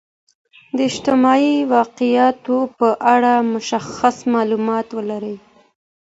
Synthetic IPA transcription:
d̪əɪʃt̪ɪmɑiwɑqɪjɑt̪opəʔaɽamʊʃaxasmɑlumɑt̪wəlaɾəj

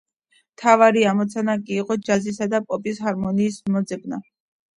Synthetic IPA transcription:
mt̪ʰavaɾiamɔt̪sʰanakʼiːqʼɔd͡ʒazisad̪apʼɔpʼishaɾmɔniːsmɔd̪zɛbna

